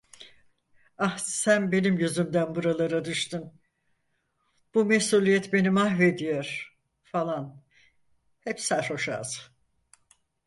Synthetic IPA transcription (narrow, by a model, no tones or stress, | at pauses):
ahsænbe̞nimɟyzymd̪ænbuɾalˠaɾad̪ɯʃt̪ɯn | b̥umesuːlʲˠijɛt̪be̞nimahve̞d̪ijoɾ̥ | falˠan | hɛpsæɾho̞ʃa̰ːz